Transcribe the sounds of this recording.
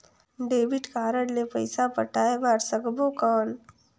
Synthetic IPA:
ɖeːbiʈkaːɾəɽlepəjsapəʈaːebaːɾsəɡbokəːn

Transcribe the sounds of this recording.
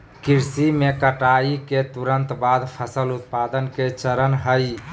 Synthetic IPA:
kiɾsimekəʈaiket̪uɾənt̪bad̪pʰəsəlʊt̪pad̪ənket͡ʃəɾənɦəj

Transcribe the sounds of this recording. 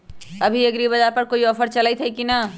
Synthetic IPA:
ɐbʱiɐɡɾibɐd͡ʒaɾpɐɾkoːiɔːfʰəɾt͡ʃɐlait̪ʰɐikina

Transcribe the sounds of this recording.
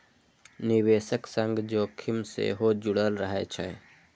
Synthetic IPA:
nɪweːʃəksə̃ŋɡd͡ʒoːkʰɪmsḛɦoːd͡ʒʊɽəlɾəɦet͡ʃʰɛ̰

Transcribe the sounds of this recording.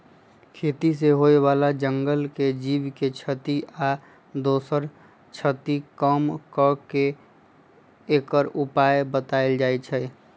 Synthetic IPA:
kʰeːt̪is̬eɦoewaːlad͡ʒəŋɡəlked͡ʒiːwket͡ʃʰət̪iʔa | d̪oːsəɾ | t͡ʃʰət̪ikəmkəke | kəɾupaːebət̪aeld͡ʒaːet͡ʃʰɛ

